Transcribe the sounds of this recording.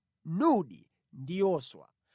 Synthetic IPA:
nuɗḭ | ndijɔːswa̰

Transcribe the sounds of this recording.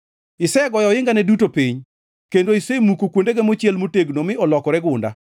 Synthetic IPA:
ɪsɛɡɔjɔɪŋɡanɛdutopiɲ | kendoisemukokwondeɡemot͡ʃjɛlmoteɡnomɪɔlɔkɔɾɛɡʊnda̰

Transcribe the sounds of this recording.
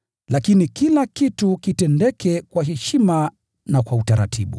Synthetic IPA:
lakinikilakitukitɛndɛkɛkwaɦɛʃima | nakwautaɾa̰tʰiɓṵ

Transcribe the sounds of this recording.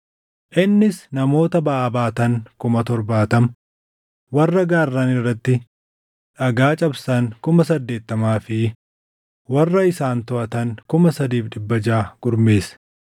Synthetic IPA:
ʔɪnːɪsnɐmo̞ːt̪ɐbɐʔːbaːt̪ɐŋkʊmɐt̪ɔɾbaːt̪ɐm | wɐrːɐɡaːrːɐnɪrːɐt̪ːɪ | ᶑɐɡaːt͡ʃʼɐbsɐŋkʊmɐsɐd̪ːe̞ːt̪ːɐmaːfɪ | wɐrːɐɪsaːnt̪ʊʔɐt̪ɐŋkʊmɐsɐd̪iːfᶑɪbːɐd͡ʒaːɡ̥ʊɾmeːs

